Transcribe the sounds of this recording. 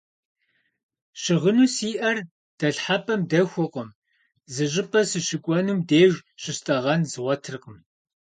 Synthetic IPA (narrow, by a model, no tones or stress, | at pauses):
ʃɪʁənuːsiːʔɐr | d̥ɐɬħapʼɐmdɐxʷʊqʷəm | zɨɕ̬ʼɪpʼɐsɨɕɪɡʷʼɔnumdeːʒɕɪstʼɐʁɐnzʁʷɐtʰɨrqəm